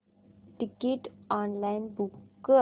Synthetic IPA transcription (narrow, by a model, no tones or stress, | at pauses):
ʈɪkeʈɔ̃ːnlaɪnbuk